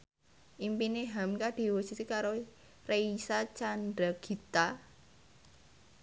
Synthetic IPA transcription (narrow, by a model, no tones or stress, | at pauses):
ʔimpineɦamkaɖ̥i̤wosit̪ikaɾo | reisat͡ʃanɖaɡ̥i̤t̪a